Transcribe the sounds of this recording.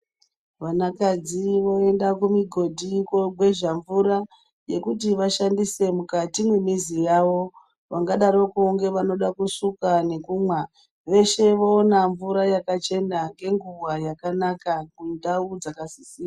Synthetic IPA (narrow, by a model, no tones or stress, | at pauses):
ʋanakad͡ziʋo̞e̞ndakumiɡʱo̞dʱikwoɡwe̞ʒaɱvuɾa | je̞kut̬iʋaʃandise̞mukatimwemizijaʋo̞ | ʋaŋɡaɗaɾo̞kuːŋɡe̞ʋano̞ɗakusukane̞kuːmwa | ʋe̞ʃe̞ʋoonaɱvuɾajakat͡ʃe̞naŋɡe̞ŋɡuwajakanakakundaud͡zakasi̥siːa